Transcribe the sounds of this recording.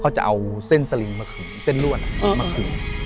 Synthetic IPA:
kʰa˧˥wt͡ɕa̰˧˩ʔa˧wse˥˩nsa˧li˧ŋmaː˧˩kʰɯː˨˩˦ŋse˥˩˨nlu˥˧˩əna˧˩˧maː˧kʰɯː˩˦n

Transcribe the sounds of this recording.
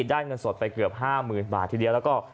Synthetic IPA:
daː˥˩nŋɤ˧nso˨˩t̪̚pa˧jkɯ˨˩əp̚ɦaː˥˩mɯː˨˩nba̰ː˨˩t̪ʰːiː˨˩di˧əwlɛː˦˥wkɔː˥˩

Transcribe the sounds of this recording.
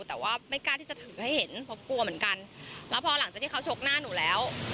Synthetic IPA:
t̪ɛː˨˩waː˥˩ma˥˩jkaː˥˩nt̪ʰiː˥˩t͡ɕa˨˩t̪ʰɯː˩˦ha˥˩jhe˨˩˦npʰɔ˧˥ku˧ɐmɯ˩˦ənka˧nlɛː˦˥wpʰɔ˧la˨˩˦ŋt͡ɕa˨˩t̪iː˥˩kʰt͡ɕʰo˦˥k̚naː˥˩nuː˨˩˦lɛː˦˥w

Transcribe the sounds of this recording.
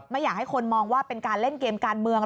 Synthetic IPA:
ma˥˩jaː˨˩k̚ha˥˩jkʰo˧nmɔː˧ŋwaː˥˩pe˧nkaː˧nle˥˩nkeː˧mkaː˧nmɯ˧əŋ

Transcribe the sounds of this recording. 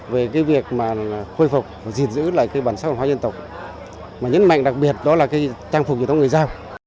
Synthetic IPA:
ve˨˩kaː˨˦jvi˨˩ək̚maː˨˩˨xo˧jfu˨˩k͡p̚vaː˨˩zi˨˩nzɨ̰˧˥la̰ː˧˨jkaː˨˦jɓaː˧˩nsaː˦˥vaː˨˩hwaː˨˧ɲzə˧nt̪ə˨˩wk͡p̚ | maː˨˩ɲə̰˧˦˥nma̰˧˨jŋ̟ɗa˨˩k̚ɓi˨˩ət̚ɗɔ˨˦laː˨˩kaː˨˦jt͡ɕaː˧ŋfu˨˩k̚ɲɨ˨˩˧ŋ˨˩jzaː˧w

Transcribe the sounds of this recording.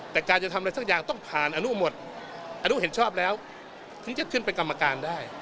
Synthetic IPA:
t̪ɛː˨˩kaː˧nt͡ɕa˨˩t̪ʰa˧m˧ɾa˧jsa˥k̚jaː˨˩ŋt̪ɔ˥˩ŋpʰaː˨˩nʔa˧nu˦˥˩mo˨˩t̪̚ | ʔaː˧nu˦˥˨ɦe˩˦nt͡ɕʰɔː˥˩p̚lɛː˦˥w | t̪ʰɯ˨˦˥ŋt͡ɕa˨˩kʰɯ˥˩np̬e˧nka˧mːa˧kaː˧ndaː˥˩j

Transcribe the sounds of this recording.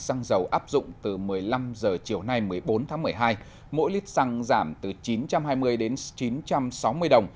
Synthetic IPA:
sa˧ŋzə˨˩wʔaː˦˥p̚zʊ̰˧˨ŋ͡mt̪ɨ˨˩mɨ˨˩əjla˧mzəː˨˩t͡ɕi˨˩əwna˧jmɨ˨˩əjɓo˨˦nt̪ʰaː˨˦ŋmɨ˨˩əjɦaː˧j | mo̰˧˥jli˦˥t̚sa˧ŋzaː˧˩mt̪ɨ˨˩t͡ɕi˨˦nt͡ɕa˧mɦaː˧jmɨ˧əjɗe˨˦nt͡ɕi˨˦nt͡ɕa˧msa˨˦wmɨ˧əjɗə˨˩wŋ͡m

